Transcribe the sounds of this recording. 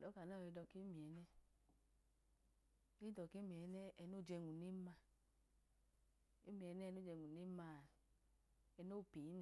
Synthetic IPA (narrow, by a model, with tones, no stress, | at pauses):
dɔ˨˦ka˨n˦˨i˧dɔ˧ki˦mi˨ɛ˨˦nɛ˦ | e˦i˦dɔ˨ke˦mi˨ɛ˨˧˦nɛ˦ɛ˧no˦˨d͡ʒɛ˧ŋu˨ni˦ma˧ | e˦mi˨ɛ˧˦nɛ˦˧no˦d͡ʒɛ˧ŋu˨ni˦ma˧˨ | ɛ˧no˦˨pe˨i˦na˨